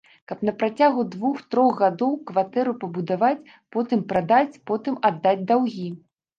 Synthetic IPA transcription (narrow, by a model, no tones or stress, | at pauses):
kɐpnɐpɾat͡sʲaɣud̪vuxt̪ɾɔɣɣad̪ɔwkvat̪ɛɾupɐbud̪avat͡sʲ | pɔt̪ɨmpɾad̪at͡sʲpɔt̪ɨmad̪ːad͡zʲd̪awɣʲi